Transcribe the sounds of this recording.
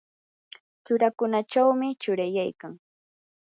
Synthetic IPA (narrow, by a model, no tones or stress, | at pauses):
t͡ʃʊɾakʊnat͡ʃawmɪt͡ʃʊɾajajkaŋ